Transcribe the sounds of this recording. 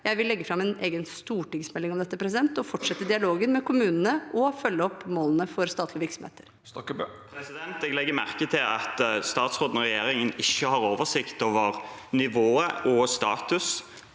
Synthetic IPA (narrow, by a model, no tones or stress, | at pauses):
jæɪʋɪlːɛɡːəfɾɑmːɛnḛːɡənst̪uːʈɪŋsmɛlːɪŋɔmd̪ɛt̪ːəpʰɾɛs̬ɪd̪ɛnt̪ɔfɔʈʂɛt̪ːəd̪ɪɑloːɡənmɛkʰʊmʉːnənəʔɔfœlːəɔpːmoːlənəfɔɾst̪ɑːt̪lɪəʋɪɾksɔm̩hḛːt̪əɾ | pʰɾɛsɪd̪ɛnt̪ɛɡlɛɡːəmæʁkət̪ʰɪlɑ̰t̪st̪ɑːt̪sʁoːd̪nɔʁɛjeːɾɪŋənɪçːəhɑʁoːʋəʁsɪkt̪oːʋəʁnɪʋoːəʔɔst̪ɑ̰ːt̪ʉs